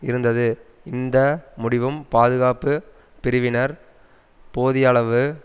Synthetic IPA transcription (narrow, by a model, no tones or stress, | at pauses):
ɪɾɯnd̪ɐðɯ | ɪnd̪ɐmʊɽɪʋɯmpaːðɯɣaːpɯ | pɪɾɯʋɪnɐɾ | poːðɪjɐɭɐʋɯ